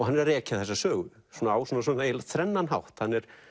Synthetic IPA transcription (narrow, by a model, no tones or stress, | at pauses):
ɔɣhanːɛɾaðrɛːcɪaθɛsːasœːɣʏsuːnaaːwsɔnːasɔnejlat̪ʰɾɛnːanhawht̪hanːɛɾ̥